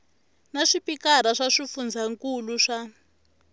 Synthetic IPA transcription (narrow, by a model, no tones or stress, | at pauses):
naʂipikaɾ̤aʂaʂifund͡zʱaŋkuluʂa